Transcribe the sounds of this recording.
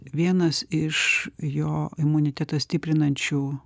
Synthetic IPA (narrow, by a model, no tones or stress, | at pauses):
ʋʲiɛnɐsɪʃjoːɪmʊnʲɪt̪ʲæt̪ɐsʲt̪ʲɪpʲɾʲɪnɐnʲt͡ʃʲuː